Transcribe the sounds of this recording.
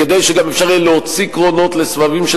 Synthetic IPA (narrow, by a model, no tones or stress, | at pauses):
ed̪ejʃeɡamefʃaʁjeleɦot͡sikʁo̞no̞tlesvavimʃe